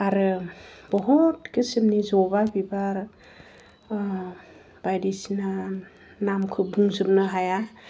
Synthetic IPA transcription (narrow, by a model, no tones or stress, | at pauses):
aɾɯbɔɦɔtkɯsimnizɔbabibaɾ | b̥ajdisina | namkʰɯbuŋzɯp̚nɯɦaja